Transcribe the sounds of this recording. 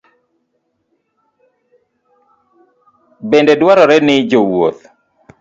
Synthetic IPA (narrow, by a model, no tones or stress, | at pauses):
bendedwaɾɔɾɛnɪd͡ʒowo̰t̪̚